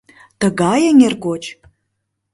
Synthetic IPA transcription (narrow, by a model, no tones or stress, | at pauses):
t̪əɡɑjəŋʲerɡot͡ʃ